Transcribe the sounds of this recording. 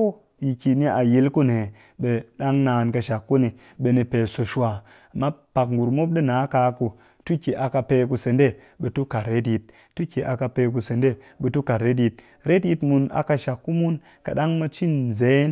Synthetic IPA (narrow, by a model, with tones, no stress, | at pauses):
ji˨ki˨ni˦a˨ji˧lku˦ne˨ | ɓe˨ɗa˦ŋnaː˧˨nka˧ʃa˨kːu˦ni˨ | ɓe˧ni˧pe˨so˨ʃu˦a˨ | a˨mːa˦pa˨kŋ˨ɡu˨ɾmo˦p̚ɗi˦na˨˦ka˧ku˧ | tu˦ki˨ʔa˨ka˧pe˧ku˧se˨nde˦ | ɓe˨tu˦ka˨tɾe˦tji˨t̚ː | u˦ki˨ʔa˨ka˧pe˧k̬u˧se˨nde˦ | ɓe˧tu˦ka˨tɾe˦t̬ji˧t̚ | ɾe˦tji˧tmu˧na̰˨ka˧ʃa˨kːu˦mu˦n | ka̰˨ɗa˦ŋmɐ˧t͡ʃi˦nze˨˦n